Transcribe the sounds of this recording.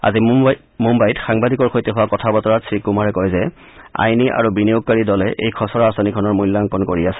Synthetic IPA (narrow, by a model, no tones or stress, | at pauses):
a̰zi | mumbajtxaŋbadikɔɹkʰojtiɦʊwakɔtʰabɔtɔɹatsɹikːumaɹɛkɔjzɛ | a̰jniʔa̰ɹubinijoɡ̚kaɹidɔlɛʔḛjkʰɔsɔɹaasanikʰɔnɔɹmujlːaŋkɔnkoɹiasɛ̥